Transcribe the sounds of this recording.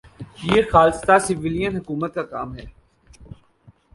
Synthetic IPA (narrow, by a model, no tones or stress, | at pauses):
jeːxaːlst̪asɪʋɪlijənɦʊkuːmət̪̚kaka̰ːmɦɛː